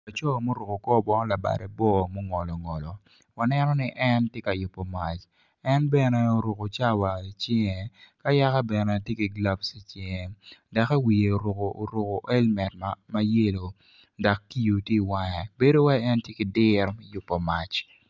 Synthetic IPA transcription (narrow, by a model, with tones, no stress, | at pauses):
a˨t͡ʃɔ˦˨mo˦ɾo˨ko˨kɔ˦bɔ˦n˦la˨ba̰˨ɾɛ˨bɔ˦˨mo˦ŋɔ˨lɔ˨ŋɔ˨lɔ˨ | wa˨nɛ˦nɔ˦nɪ˦ʔɛ˦ntje˦ka˨jʊ˨pːɔ˨ma˨t͡ʃ | ɛ˦nbɛ˨nɛ˦o˨ɾo˨ko˨t͡ʃa˦wa˨i˨t͡ʃɛ˦ŋɛ˨ka˦ja˦ka˦bɛ˨nɛ˦a˨tje˦ki˨ɡla˦bsi˨t͡ʃɪ˦ŋe˨da˨ka˦wi˨e˨o˨ɾʊ˨ko˨ʔo˨ɾʊ˨ko˨ʔɛ˦lmɛ˨t̚ma˦je˦lo˨ | da˨kːi˦ju˨ti˦˨wa˦ŋɛ˨be˦do˦wa˦ɛ˦ntje˦kɪ˨dɪ˦ɾmɛ˦jʊ˨pːɔ˨ma˨t͡ʃ